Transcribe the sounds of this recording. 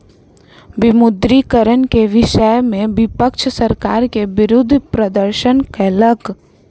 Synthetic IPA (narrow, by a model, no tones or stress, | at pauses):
ʋɪmʊd̪ɾikəɾənkeʋɪʃəjmẽʋɪpəkʃsəɾkaːɾkeʋɪɾʊd̪ʱːpɾəd̪əɾʃənkɛːlək